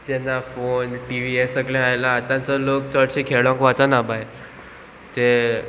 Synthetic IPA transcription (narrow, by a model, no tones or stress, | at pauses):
d͡ʑɛnːafonʈiʋiesəɡlɛ̃ajlaːt̪ãnt͡səlokt͡səɽɕikʰeɭãŋkat͡sanabaj | t̪e